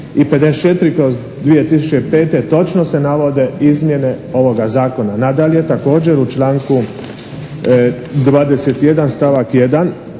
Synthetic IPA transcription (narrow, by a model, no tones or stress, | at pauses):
iped̪est͡ʃe̞t̪ɾikoz | d̪ʋije̞t̪isut͡ʃeipe̞ːt̪e̞t̪o̞t͡ʃnose̞naʋo̞d̪e̞izmje̞ne̞o̞ʋo̞ɡazaːko̞nanad̪aʎe̞t̪ako̞ːd͡ʑe̞ɾut͡ʃlaːŋku | d̪ʋaːd̪e̞se̞t̪je̞d̪anst̪aʋakje̞d̪an